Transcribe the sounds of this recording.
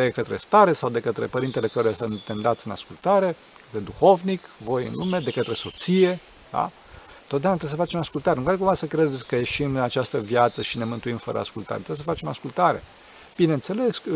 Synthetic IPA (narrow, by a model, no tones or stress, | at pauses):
ekət̪ɾe̞st̪aɾe̞sawd̪e̞kət̪ɾe̞pəɾint̪ele̞kəɾujəsɨnt̪emd̪at̪sʲɨna̰skult̪aɾe̞kət̪ɾed̪uxo̞vnikvo̞jɨ̰nlume̞d̪ekət̪ɾe̞so̞t̪sije̞ | d̪̥a̰ | t̪ot̪d̪eunat̪ɾesəfat͡ʃe̞maskult̪aɾekad̪kumvasəkɾed̪et̪sʲkəje̞ʃimɨnat͡ʃast̪əvjat̪səʃine̞mɨnt̪uimfə̰ɾə̰a̰skult̪a̰ɾet̪ɾeesəfat͡ʃe̞maskult̪aɾe̞̰ | b̥inent̪se̞le̞sk